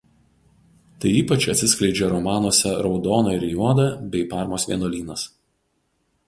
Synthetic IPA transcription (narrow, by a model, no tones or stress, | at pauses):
t̪ɐɪiːpɐt͡ʃʲɐt̪ʲsʲɪsʲklʲɛɪd͡ʒʲɛɾɔmɑːnuɔsʲɛɾɒʊd̪ɔːnoɪɾʲjuɔd̪ɐbʲɛɪpɑːˑɾmoːsʋʲḭɛnoːlʲiːnɐs